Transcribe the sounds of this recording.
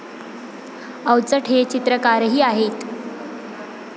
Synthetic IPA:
əwt͡səʈʰet͡ɕit̪ɾəkaɾɦiːaɦet̪

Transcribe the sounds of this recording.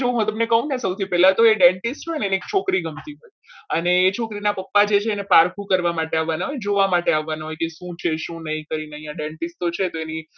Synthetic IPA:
oũɦot̪əmnekəɦũnesəwt̪ʰipɛlãt̪oeɖẽɳʈisʈʰojneeniek̚t͡ʃʰokɾiɡəmt̪iɦoj | əneːt͡ʃʰokɾinapəpːad͡ʒet͡ʃʰeːnepaɾkʰũkəɾʋamaʈeaʋːanaɦojd͡ʒoʋamaʈeaʋːanaɦojkeʃũt͡ʃʰeʃũnəɦĩkəɾineəjãɖẽɳʈisʈt̪ot͡ʃʰet̪oeni

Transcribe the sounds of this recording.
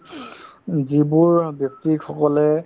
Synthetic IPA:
zibuɹbjɔk̚tixʰɔkɔlɛ

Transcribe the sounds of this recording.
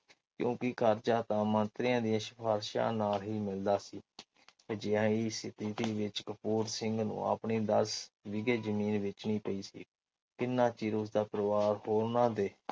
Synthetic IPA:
kjõ̰ːkɪkʰəɾd͡ʒaːt̪ãːmənt̪ɾɪjãːd̪ijãːʃə̥pʰaːɾʃã̰ːnaːlɦiːmɪld̪aːsiː | d͡ʒɪãːiːsɪt̪iːt̪iːʋɪt͡ʃkəpuːɾsɪŋɡnṵ̃ːa̰ːpɳiːd̪əsʋɪɡeːzəmiːnʋɪt͡ʃnĩːpəiːsḭː | kɪnːãːt͡ʃiːɾʊsd̪aːpɾʋaːɾhoːɾnãːd̪eː

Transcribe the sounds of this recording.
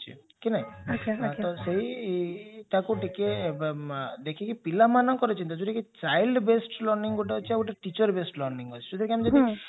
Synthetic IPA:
t͡ʃʰḭ | kinaiot͡ʃʰat̪ɔseɦi | t̪akuʈeke | d̪ekʰikipilamanɔkɔɾet͡ʃʰint̪ad͡ʒoʈiket͡ʃajlɖbesʈlɔɾniŋɡoʈ̬aɦot͡ʃʰiauʈaʈit͡ʃɔɾbesʈlɔɾniŋɡot͡ʃʰi̥sud̪aɾkiamid͡ʒɔd̪i

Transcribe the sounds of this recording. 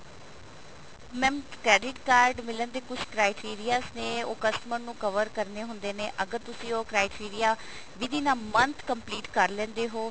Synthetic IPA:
mɛ̃ːmkɾɛːɖɪʈkaːɾɖmɪlənd̪eːkʊt͡ʃʰkɾaːɪʈiːɾijaːsneːoːkəsʈməɾnũːkəʋəɾkəɾneːɦʊnd̪eːneːʔəɡəɾt̪ʊsĩːoːkɾaːɪʈiːɾɪjaː | ʋɪd̪iːnaːmənt̪ʰkəmpliːʈkəɾlɛ̃ːnd̪eːɦoː

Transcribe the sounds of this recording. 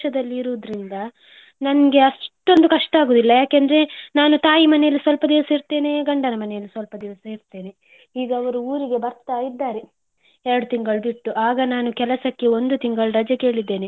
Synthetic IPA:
ʃɐd̪ɐlːiːɾuʋd̪ɐɾind̪ɐ | nɐnɐɡe̞ɐʂʈo̞nd̪ukɐʂʈɐaːɡoːd̪ilːɐjaːkend̪ɐɾe̞naːnut̪aːjimɐnɛjɐlːisʋɐlpɐd̪iʋɐsɐiɾt̪e̞ːne̞ɡɐɳɖɐnɐmɐnɛjɐlːisʋɐlpɐd̪iʋɐsɐiɾt̪e̞ːne̞ | iːɡɐːʋɐɾuuːɾiɡe̞bɐɾt̪aid̪ːaːɾe | ɛɾɐɽut̪iŋɡɐɭbiʈːuʔaːɡɐnaːnukɛlɐsɐkːe̞o̞nd̪ut̪iŋɡɐɭɾɐd͡ʒɐkeːɭid̪ːe̞ːne

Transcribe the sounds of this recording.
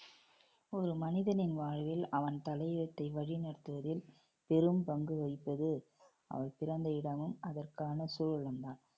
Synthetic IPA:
ɔɾɯmɐnɪðɐnɪnʋaːɻʋɪlɐʋɐnt̪ɐlɐɪɪɾɐt̪ːɐɪʋɐɻinɐɾt̪ːɯʋɐðɪl | pɛɾɯmpɐŋɡɯʋɐɪpːɐðɯ | ɐ̰ʋɐɪpɪɾɐnd̪ɐɪɽɐmɯmɐðɐrkaːnɐsuːɻɻɐmd̪aːn

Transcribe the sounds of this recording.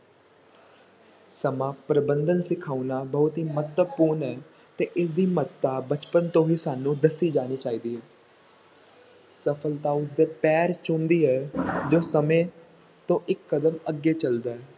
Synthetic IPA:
səmãːpɾəbənd̪ənsɪkʰaːunaːbəɦʊt̪ɦiːmət̪əbpuːɾnɛː | t̪eːʔɪs̬d̪iːmət̪ːaːbət͡ʃpənt̪õːiːsaːnũːd̪əsːiːd͡ʒaːniːt͡ʃaːiːd̪iːɦɛː | səpʰəlt̪aːʊs̬d̪eːpɛːɾt͡ʃʊ̃nd̪iːɛːd͡ʒoːsəmẽː | t̪õːʔɪkːəd̪əməɡeːt͡ʃəld̪aːɦɛː

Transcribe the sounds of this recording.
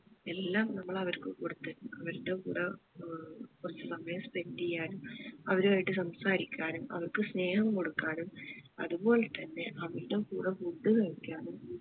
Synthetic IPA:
elːaːmnɐmːɐɭɐʋɐɾkɨkoɽut̪ːɐnumɐʋɐɾuɽe̞kuːɽɐ | kurɐt͡ɕːɨsɐmːɐjɐspendijaːnumɐʋɐɾuɐjiʈːɨsɐmsaːɾikʲːaːnumɐ̰ʋɐrkɨsne̞ːhɐmko̞ɽukːaːnumɐ̰ðubo̞ːlet̪ɐnːe̞ʔɐʋɐɾuɽe̞kuːɽɐkuɖːukɐɻikʲːaːnum

